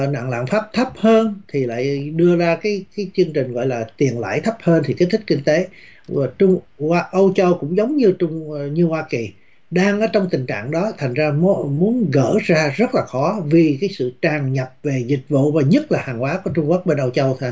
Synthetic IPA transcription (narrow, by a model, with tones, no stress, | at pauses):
na̰ː˧˨nla̰ː˧˨nfaː˦˥p̚t̪ʰə˦˥p̚həː˧nt̪ʰi˨˩la̰ː˧˨jɗɨ˧əzaː˧kaː˨˦jkaː˨˦jt͡ɕɨ˧əŋt͡ɕï˨˩ŋ̟ɣɔ̰˧˨jlaː˨˩t̪i˨˩ənla̰ː˧˩jt̪ʰə˦˥p̚həː˧nt̪ʰi˨˩keː˨˦˥t̪ʰi˦˥k̚kï˧ŋ̟t̪e˨˦˨ | t͡ɕʊ˧ŋ͡m | waː˧ʔə˧wt͡ɕə˧wkʊ̰˧˥ŋ͡mzə˨˦wŋ͡mɲɨ˧t͡ɕʊ˧ŋ͡mɲɨ˧hwaː˧ki˨˩ | ɗaː˧ŋʔəː˨˧˩t͡ɕɔ˧wŋ͡mt̪ï˨˩ŋ̟t͡ɕa̰ː˧˨ŋɗɔ˨˦t̪ʰa˨˩ŋ̟zaː˧m˨˦mu˨˦ənɣə̰ː˧˥zaː˧zə˦˥t̚laː˨˩xɔ˨˦vi˨˩kaː˨˦jsɨ̰˧˨t͡ɕaː˨˩ŋɲə˨˩p̚ve˨˩zï˨˩k̟̚vṵ˧˨vaː˨˩ɲə˦˥t̚laː˨˩haː˨˩ŋkwaː˨˦ku˨˩ət͡ɕʊ˧ŋ͡mku˦˥ək̚ɓe˧nʔə˧wt͡ɕə˧wʰ